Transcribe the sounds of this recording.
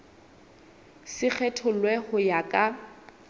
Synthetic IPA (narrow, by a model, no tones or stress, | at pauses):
sɪk͡xʰɛtʰʊlwɛhʊjakʼa